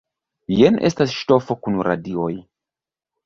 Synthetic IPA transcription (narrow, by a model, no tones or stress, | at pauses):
jenʔe̞̰stasʃto̞fokunɾa̰dio̞j